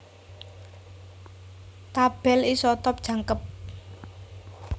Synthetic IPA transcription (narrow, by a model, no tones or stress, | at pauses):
t̪ab̥ɛ̤lisɔt̪ɔp̚d̥ʒ̥ä̤ŋkəp̚